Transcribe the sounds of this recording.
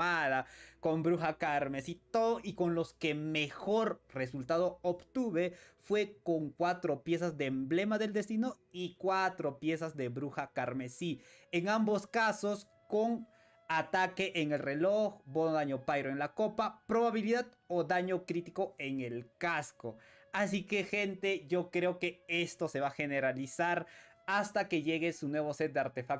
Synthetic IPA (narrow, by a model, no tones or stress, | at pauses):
aðako̞mbɾuxakaɾme̞sit̪oðoʔiko̞nlo̞ske̞me̞xoɾre̞sult̪að̞oobt̪uβe̞fwe̞koŋkwat̪ɾopje̞sazd̪eːmblemaðe̞ld̪e̞st̪ino | ikwat̪ɾo̞pje̞sazd̪eβɾuxakaɾme̞sieŋambo̞skaso̞s | ko̞ŋ | at̪ake̞ʔeŋe̞lre̞loxbo̞noðaɲo̞pajɾoeŋlako̞papɾo̞βaβiliðað | oðaɲo̞kɾit̪iko̞e̞ŋelkasko | asike̞xe̞nt̪e̞ʝo̞kɾe̞oke̞e̞st̪o̞se̞βaxe̞ne̞ɾalisaɾ | ast̪ake̞ʝe̞ɣe̞sunwe̞βose̞t̪̚d̪eaɾt̪e̞fak